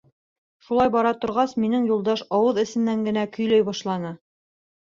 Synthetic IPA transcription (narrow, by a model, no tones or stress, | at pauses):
ʃulˠɑjbɑɾɑt̪ŏɾʁɑsminɘŋjulˠd̪ɑʃɑwɤðɘ̆sɘ̆nːæŋɡɘ̆nækɵ̆jlæjbɑʃlˠɑnɤ